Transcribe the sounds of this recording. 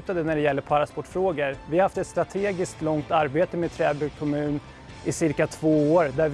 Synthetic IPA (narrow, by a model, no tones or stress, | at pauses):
ʉt̪ad̪ənæɖɛjɛlːəɾpʰaɾaspɔʈːfɾoːɡəɾvɪhahaft̪ɛt̪st̪ɾat̪ʰeːɡɪskt̪lɔŋt̪aɾbeːt̪əmeːd̪̚t̪ʰɾɛːbɵkʰɔmʉ̟ːn | ʔɪsɪɾkat̪ʰvoːoːɾd̪æ